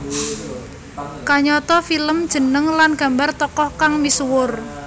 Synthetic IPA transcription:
kaɲɔt̪ɔfiləmd̥ʒ̥ə̤nəŋlanɡ̥a̤mbart̪ɔkɔhkaŋmiswʊr

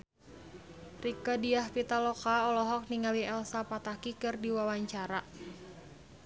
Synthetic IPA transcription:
rikadiahpit̪alɔkaɔlɔɦɔk̚niŋaliɛlsapat̪akikɨrdiwawaɲt͡ʃaɾa

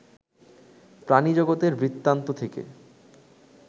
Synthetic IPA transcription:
pɾanid͡ʑoɡot̪eɾbɾit̪ːant̪ot̪ʰekḛ

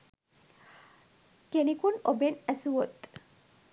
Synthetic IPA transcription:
kenikunobenæsuwot̪

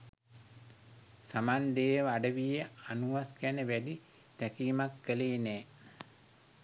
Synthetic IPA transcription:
samand̪eːʋaɖəʋijəanuʋaskænəʋædi | t̪ækiːmakːəleːnɛː

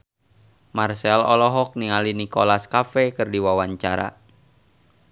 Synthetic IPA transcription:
marsɛlɔlɔɦɔk̚niŋalinikolaskafɛkɨrdiwawaɲt͡ʃa̰ɾa̰

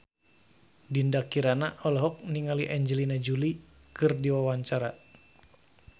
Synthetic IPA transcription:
dindakiɾanaʔɔlɔɦɔk̚niŋaliʔaɲd͡ʒɛlinad͡ʒuli | kɨrdiwawaɲt͡ʃaɾa

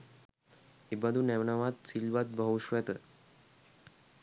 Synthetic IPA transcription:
ibəd̪ʱunɛʋɳaʋat̪̚silʋat̪̚bʱəɦuʃʋɛt̪ə

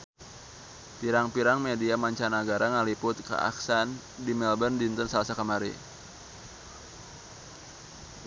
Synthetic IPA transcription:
piɾaŋpiɾaŋmediamaɲt͡ʃanaɡaɾʔaŋalipʊt̪̚kə̰ʔa̰ksan | dimɛlbəndint̪ənsalasakəmaɾḭ

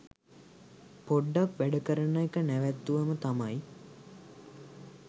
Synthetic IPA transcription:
poɖːakʋæɖəkəɾənaekənæʋæt̪ːuʋəmət̪amaj

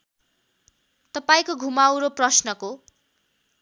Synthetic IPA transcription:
t̪ʌpaĩkoɡʱumawɾoprʌsnʌko

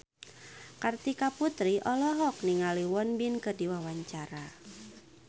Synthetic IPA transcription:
kart̪ikaput̪ɾiʔɔlɔɦɔk̚niŋaliwɔnbinkədiwawaɲt͡ʃaɾa

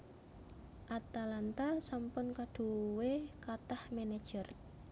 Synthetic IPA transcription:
ʔat̪alant̪asampʊnkaɖ̥ṳwekat̪ahmenad̥ʒ̥ər

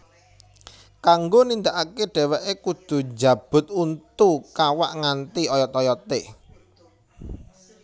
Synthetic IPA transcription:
kaŋɡonind̪aʔakeɖ̥ɛ̤wɛʔekud̪̥ṳd͡ʒä̤b̥ʊ̤t̪̚unt̪ukawaʔŋant̪iɔjɔt̪ɔjɔt̪e

